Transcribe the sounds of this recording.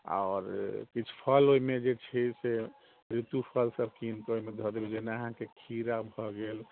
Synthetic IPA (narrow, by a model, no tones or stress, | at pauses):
a̰ɔɾkit͡ʃʰu̥pʰəloimed͡ʒet͡ʃʰise | ɾit̪upʰəlsəb̚kinkeoimed̪ʱɔd̪ebed͡ʒenaəɦãkekʰiɾabʱɔɡel